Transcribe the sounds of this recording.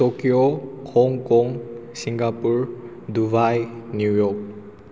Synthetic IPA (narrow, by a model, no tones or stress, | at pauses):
tokiokʰɔŋkɔŋsiŋɡapuɹ | dubajnjujɔk̚